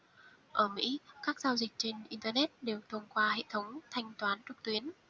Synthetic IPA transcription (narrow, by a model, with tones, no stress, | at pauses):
ʔəː˧˩mḭ˧˥kaː˦˥k̚zaː˧wzï˨˩k̟̚t͡ɕe˧nʔi˧nt̪əː˧nɛ˦˥t̚ɗe˨˩wt̪ʰə˧mkwaː˧hḛ˧˨t̪ʰə˨˦wŋ͡mt̪ʰa˧jŋ̟t̪waː˨˦nt͡ɕɨ˨˩k̚t̪wi˨˦ən